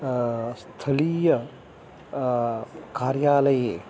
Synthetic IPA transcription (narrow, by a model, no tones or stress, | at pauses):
st̪ʰɐlijɐ | kaːɾjaːlɐjeː